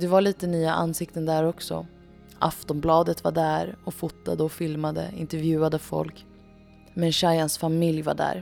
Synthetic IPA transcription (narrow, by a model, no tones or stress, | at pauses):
d̪ɛvaɭiːt̪ənyːaʔa̰nːsɪkt̪ənd̪æːɾɔksɔ̰ | ʔaft̪ɔnblɑːd̪ət̪vaɖæːɾɔfʊt̪ːad̪əɔfɪlmad̪ə̰ɪ̰nt̪ɛɾvjʉ̟ːad̪əfɔ̰lk | mɛnɕajansfamɪljva̰ɖæ̰ːɾ